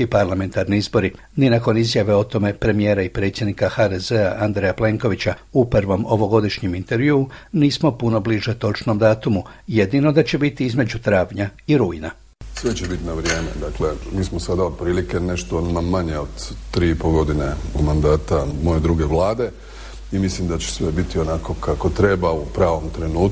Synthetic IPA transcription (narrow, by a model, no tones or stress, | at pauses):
ipaɾlame̞nt̪aɾniizbo̞ɾi | ninako̞nizjaʋe̞o̞t̪o̞me̞pɾe̞mijeːɾaipɾet̪sje̞d̪nikaxaːd̪e̞ze̞aʔand̪ɾejaple̞ŋko̞ʋit͡ɕaupɾʋo̞mo̞ʋo̞ɡo̞d̪iʃɲimint̪e̞ɾʋjuːniːsmo̞puno̞bliʒet̪o̞t͡ʃno̞md̪aːt̪umuje̞d̪ino̞d̪at͡ɕe̞bit̪iizme̞d͡ʑut̪ɾaːʋɲaiɾuːina | sʋe̞t͡ɕebit̪inaʋɾje̞ːmed̪akle̞miːsmosad̪aod̪̚pɾiːlike̞ne̞ʃt̪onmamaɲeod̪t̪ːɾiːipoɡo̞d̪ine̞ud̪mand̪aːt̪amo̞je̞d̪ɾuɡe̞ʋlˠaːd̪e̞ | imislimd̪at͡ɕe̥sʋe̞bit̪io̞nako̞kʰako̞t̪ɾe̞baupɾaːʋo̞mt̪ɾe̞nuːt̪̚